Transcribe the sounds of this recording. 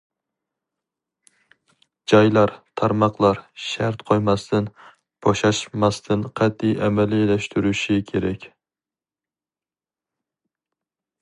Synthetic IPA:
d͡ʒɑjlˠɑɾt̪ʰɑɾmɑqlˠɑɾʃæɾt̪qʰojmɑst̪ʰɪn | b̥oʃɑʃmɑst̪ʰɪnqʰɑt̪̚ːijʔɛmɛlilɛʃt̪ʰyɾyʃɪkʲʰeɾɛkʲ

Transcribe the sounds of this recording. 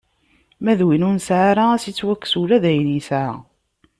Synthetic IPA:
mæðwinʊnsʕaɾaæsit͡sːwækːsulæðæjnisa

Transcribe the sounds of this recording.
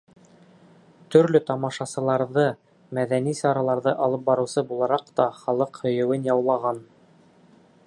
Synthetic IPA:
t̪ɵ̆ɾlɵt̪ɑmɑʃɑsɤ̆lˠɑɾðɤ | mæðænisɑɾɑlˠɑɾðɤʔɑlˠɤp̚bɑɾɤ̆wsɤbulˠɑɾɑqt̪ɑχɑlˠɤqhɵ̆jɘ̆wɘnjɑwlˠɑʁɑn

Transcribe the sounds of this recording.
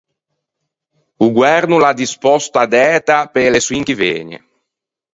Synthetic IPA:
uɡwɛɾnulad̪ispɔst̪ad̪ɛːt̪apeleswiŋkivḛːɲḛ

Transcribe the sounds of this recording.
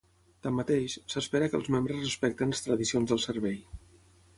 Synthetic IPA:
t̪amːət̪eʃsəspeɾəkə̰lˠzmembɾəzrəspɛk̚t̪ənləst̪ɾəðisionzðəlˠsəɾβɛj

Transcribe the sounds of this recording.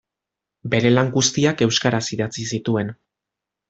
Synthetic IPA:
be̞ɾe̞laŋɡust̪iake̞wskaɾasiðat͡sisit̪ue̞n

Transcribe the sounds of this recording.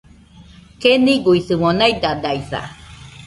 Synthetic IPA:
keniɡuiθɨmonajd̪ad̪ajθa̰

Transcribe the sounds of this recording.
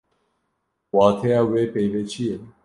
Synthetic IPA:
wɑːt̪ʰejaːweːpejveːt͡ʃʰije

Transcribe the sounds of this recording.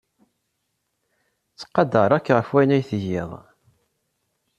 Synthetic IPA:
t͡sːqːɑd̪əɾˤækːʁəfwænæjθəʝɪðˤ

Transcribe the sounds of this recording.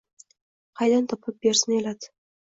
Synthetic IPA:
qʰɑjd̪ant̪ʰɒpʰɨp̚beɾsɪnelad̪

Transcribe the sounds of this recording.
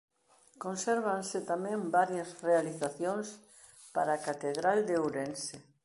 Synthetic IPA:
kõnsɛɾβ̞ansɪt̪amɛ̃mbaɾjɐsrealiθaθjoŋs | pa̰ɾakat̪eðɾald̪eowɾense

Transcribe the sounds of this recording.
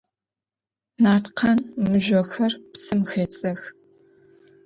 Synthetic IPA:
naːrtqʰɐnmɨʒʷɔxɐrpsɨmxeːt͡sʼɐx

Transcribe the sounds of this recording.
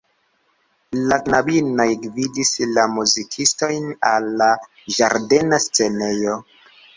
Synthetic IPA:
lanabinojɡvidislamuzikʰisto̞jnalːa | ʒaɾde̞nast͡se̞ne̞jo̞

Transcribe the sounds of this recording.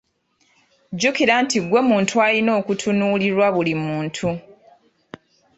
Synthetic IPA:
ɟukiɾantiɡwe̞muːntʰualino̞ːkutʰunuːliɾwaβulimuːntʰu

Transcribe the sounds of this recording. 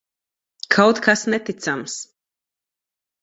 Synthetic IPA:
kʰawt̪kʰasnɛt̪it̪sams

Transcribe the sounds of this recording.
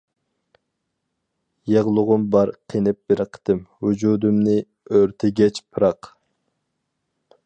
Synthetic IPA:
jeʁlˠʊʁʊmbɑɾqʰenɪp̚beɾɨqʰə̥t̪ɪmhud͡ʒud̪umnɪ | øɾt̪ʰɛɡʲɛt͡ʃpʰɨɾɑq

